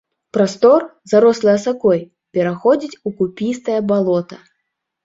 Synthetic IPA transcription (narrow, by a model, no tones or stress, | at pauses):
pɾast̪ɔrzaɾɔslˠɐjɐsakɔj | pʲɛɾaxɔd͡zʲit͡sʲukupʲist̪ɐjɐbalˠɔt̪ɐ